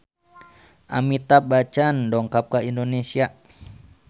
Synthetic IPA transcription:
ʔa̰mit̪ap̚bat͡ʃandɔŋkap̚kaindonesia

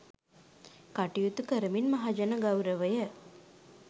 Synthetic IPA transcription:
kaʈijut̪ukəɾəminmaɦad͡ʒənəɡawɾəʋəjə

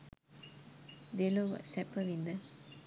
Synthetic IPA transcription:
d̪eloʋɐ̰sɛpəʋind̪ə

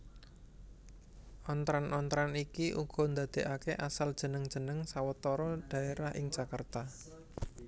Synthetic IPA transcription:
ʔɔnt̪ɾanɔnt̪ɾanikiʔṵɡ̥ɔ̤nd̪ä̤d̪̥e̤ʔakeʔasald̥ʒ̥ə̤nəŋd̥ʒ̥ə̤nəŋsawət̪ɔɾɔɖ̥ä̤eɾahʔɪ̰ŋ̥ʒ̥akərt̪a

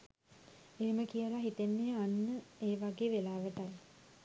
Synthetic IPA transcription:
eːməkijəlaɦit̪enːejəanːəeːʋaɡeːʋelaːʋəʈaj

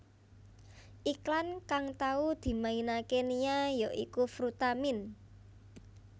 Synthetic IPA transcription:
ʔiklankaŋt̪aud̪̥i̤mainakenijajɔʔḭkufɾut̪amɪn

